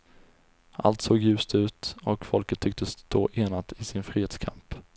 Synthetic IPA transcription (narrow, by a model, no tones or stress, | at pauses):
ʔa̰lt̪soːɡjʉ̟ːst̪ʉ̟ːt̪ɔkfɔlkət̪ʰːʏk̚t̪əst̪ʰo̰ːʔeːnat̪ʰɪsɪnfɾiːeːt̪skʰa̰mp